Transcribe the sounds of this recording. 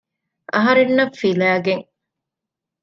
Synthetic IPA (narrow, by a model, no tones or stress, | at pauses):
ʔɐ̰ɦɐɾenːɐfilæːɡeŋ